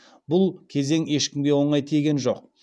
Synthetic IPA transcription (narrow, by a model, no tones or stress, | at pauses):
bʊlˠkʲʰe̞ze̞ŋe̞ʃkʲɪmɡʲe̞wo̞ɴɑjt̪ʰeɡʲe̞nʒo̞q̚